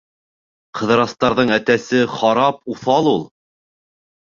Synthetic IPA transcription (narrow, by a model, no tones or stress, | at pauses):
qʰɤ̆ðɤ̆ɾɑst̪ɑɾðɤɴæt̪æsɘχɑɾɑp̚uθɑlˠulˠ